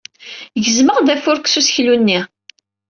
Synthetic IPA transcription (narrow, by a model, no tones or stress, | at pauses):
ʝəzməʁðæfʊɾksusçlunːi